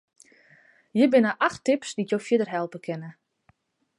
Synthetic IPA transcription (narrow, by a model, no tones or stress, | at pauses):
jəbɪnəʔaxtɪpsditjowfjɪdərɦɛlˠpəkʰɪnə